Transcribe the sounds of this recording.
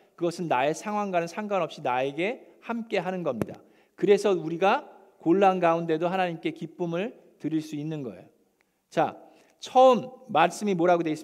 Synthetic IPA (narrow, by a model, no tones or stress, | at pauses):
kɯɡʌsʰɯnːae̞sʰaŋɦwaŋɡanɯnsʰaŋɡanʌp̚ɕ͈inae̞ɡe̞ | hamk͈e̞ɦanɯnɡʌmɲida̰ | kɯɾe̞sʰʌuɾiɡa | koɭːanɡaunde̞doɦanaɲimk͈e̞kip͈ɯmɯɭ | tɯɾiɭs͈uinːɯnɡʌḛjo | t͡ɕa̰ | t͡ɕʰʌɯmːaɭs͈ɯmimoɾaɡodweis͈